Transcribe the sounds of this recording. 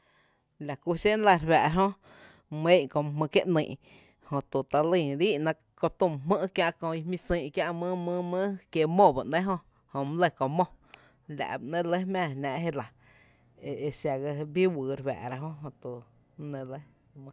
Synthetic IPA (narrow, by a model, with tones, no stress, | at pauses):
la˨ku˧ʃe˦n˦la˧ɾwæ̰˨ʔɾɦõ˦ | mẽ˦ʔkõ˧˨m˧ɦmɨ̃˧kje˦ʔnĩ˧˨ʔ | hõ˧t̪u˨t̪a˧lĩ˧˨ɾiː˦ʔnã˧ | ko˧t̪ũ˧˨m˧ɦmə̃˦kjã˧ʔkõ˧i˧mĩ˧sĩː˧˨ʔkja˦ʔmɨ̃˦mɨ̃˦mə̃˦kje˧mõ˦˧˨ba˨ʔnẽ˦ɦõ˧ | hõ˧˨m˦lə˧˨kõ˧˨mõ˦˨ | lʲa̰˨ʔbʔnẽ˧lə˦mæ̃ː˧˨nã˧ʔɦe˦˧la˨ | e˨e˧ʃa˧ɣa˧bi˦wɨː˨ɾwæ̰˨ʔɾa˧ɦõ˦ʔɦõ˧t̪u˨ | nẽ˧lə˦ | m˧